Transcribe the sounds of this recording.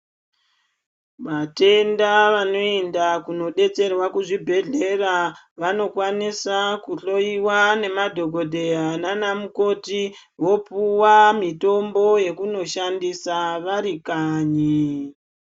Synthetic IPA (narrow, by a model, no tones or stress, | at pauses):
ʋate̞ndaʋano̞endakuno̞ɗe̞t͡se̞rwakuʐibʱe̞ɮe̞ra | ʋano̞kwanisakuɬo̞iwane̞madʱo̞ɡʱo̞dʱe̞ananamuko̞ti | ʋo̞puwamito̞mbo̞je̞kuno̞ʃandisaʋaɾikaːɲi